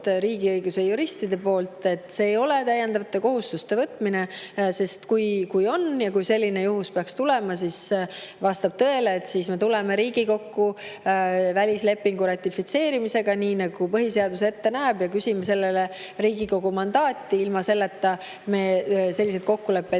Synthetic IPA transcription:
ɾiːɡ̥iɤjɡ̥use̞juɾist̪id̪e̞po̞ːlt̪e̞t̪ːˑse̞ːjo̞le̞t̪æjend̪̥ɑvɑt̪ːˑe̞ko̞ɦust̪ust̪e̞vɤt̪ːˑmine̞se̞st̪kujkujo̞njɑkujse̞lʲːine̞juɦuspeɑkst̪ulemɑs̬isvɑst̪ɑb̥̚t̪ɤ̞e̞leːt̪siːsme̞t̪ule̞me̞ɾiːɡiko̞kːu | vælʲisle̞pːiŋɡ̥uɾɑt̪ʲːˑifit̪se̞ːɾimise̞ɡ̥ɑniːnɑɡ̥upɤɦise̞ɑd̪us̬e̞t̪ːe̞næːb̥jɑkysʲimese̞lːe̞le | ɾiːɡiko̞ɡumɑnd̪ɑːt̪ʲːˑiilmɑse̞lːet̪ːˑɑ | me̞ːse̞lːiset̪̚ko̞kːule̞pːe

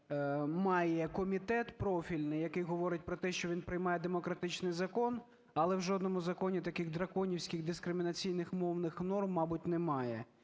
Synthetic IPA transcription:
mɑjɛkɔmʲit̪ɛt̪pɾɔfʲilʲnɪjɐkɪjɦɔʋɔɾɪt̚ʲpɾɔt̪ɛʃt͡ʃɔʋʲinpɾɪjmɑjɛd̪emɔkɾɐt̪ɪt͡ʃnɪjzɐkɔn | ɐlˠɛwʒɔd̪nɔmʊzɐkɔnʲit̪ɐkɪɣd̪ɾɐkɔnʲiwsʲkɪɣd̪ɪskɾɪmʲinɐt͡sʲijnɪxmɔwnɪxnɔrmːɑbʊtʲnɛmɑjɛ

